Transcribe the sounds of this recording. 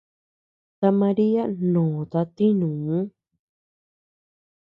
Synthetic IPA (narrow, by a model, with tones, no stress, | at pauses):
t̪a˧mã˧ɾi˦a˦nõː˨t̪a˧t̪i˦nũ˨ũ˦